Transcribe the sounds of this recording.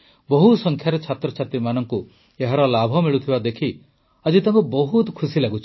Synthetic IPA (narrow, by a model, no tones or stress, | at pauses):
bɔɦusɔŋkʰjaɾet͡ʃʰat̪ɾɔt͡ʃʰat̪ɾimanɔŋku | eɦaɾɔlabʱɔmiɭut̪ʰibad̪ekʰi | ad͡ʒit̪aŋkubɔɦut̪kʰusilaɡut͡ʃʰi̥